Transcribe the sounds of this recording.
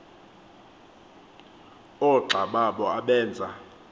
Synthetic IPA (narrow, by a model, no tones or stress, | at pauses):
ɔǁʱaɓaɓɔaɓɛːnd͡zʱa